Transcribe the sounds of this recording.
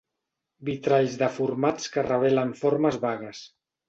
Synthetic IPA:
bit̪ɾaʎzðəfuɾmat͡skərəβ̞ɛləɱfoɾməzβaɣ̞əs

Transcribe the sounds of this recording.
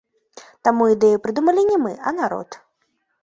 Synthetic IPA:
t̪amuid̪ɛjupɾɨd̪umɐlʲinʲɛmɨʔɐnaɾɔ̰t̪

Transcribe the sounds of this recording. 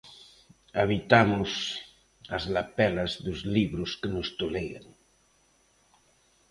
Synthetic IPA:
aβit̪amʊs | azlapɛlazðʊzliβɾʊskənʊst̪oleja̰ŋ

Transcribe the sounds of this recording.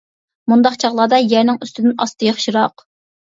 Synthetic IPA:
mund̪ɑqt͡ʃʰɑʁlˠɑːd̪ɑjæɾnɪŋyst̪ʰɪd̪ɪnɑ̰st̪ʰɨjɑχʃiɾɑq

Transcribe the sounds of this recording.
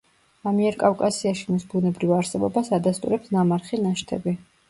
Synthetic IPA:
amiɛɾkʼafkʼasiaʃimisbunɛbɾivaɾsɛbɔbasad̪ast̪ʼuɾɛpsnamaɾχinaʃt̪ʰɛ̰bi

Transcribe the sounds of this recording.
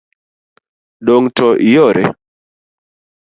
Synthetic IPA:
ɗoŋtʰɔjɔɾʔɛ̰

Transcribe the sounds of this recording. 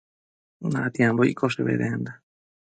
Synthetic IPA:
nãʔt̪jãmboḭkoʂeβḛɾḛnd̪a

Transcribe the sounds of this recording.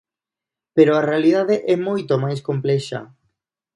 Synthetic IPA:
peɾoarealiðaðeʔɛmojt̪omajskomplɛʃa̰

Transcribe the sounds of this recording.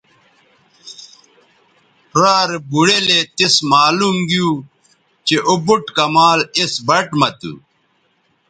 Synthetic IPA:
ɾaːɾebuɽelet̪esmaːlumɡiju | t͡ɕeʔobuʈkɐmaːlesbɐʈmɐt̪ṵ

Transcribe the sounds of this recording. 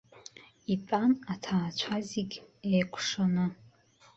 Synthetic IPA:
ipʼanatʰaːt͡ʃʷʰaziɡʲejkʷʰʼʂonɨ

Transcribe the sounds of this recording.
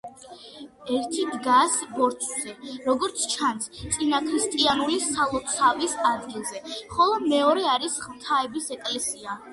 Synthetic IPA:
ɛɾt̪ʰid̪ɡasbɔɾt͡ʃ̪ʰzɛɾɔɡɔɾt̪sʰt͡ʃʰanst̪sʼinakʰɾist̪ʼianulisalˠɔt̪sʰavisad̪ɡilˠzɛχɔlˠɔmɛɔɾɛaɾisχmt̪ʰaɛbisɛkʼlɛsia

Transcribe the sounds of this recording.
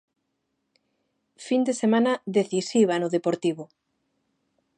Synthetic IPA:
find̪esemanɐðeθisiβ̞anʊðepoɾt̪iβʊ

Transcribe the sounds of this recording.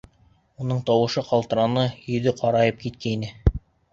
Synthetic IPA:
unɤɴt̪ɑwɤ̆ʃɤqɑlˠt̪ɤ̆ɾɑnɤjɵ̆ðɘqʰɑɾɑjɤp̚kit̪kæinɘ

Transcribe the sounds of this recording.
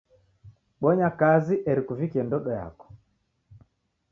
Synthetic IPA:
ɓɔɲakaziʔɛɾikuvikiɛndɔɗɔja̰kɔ̥

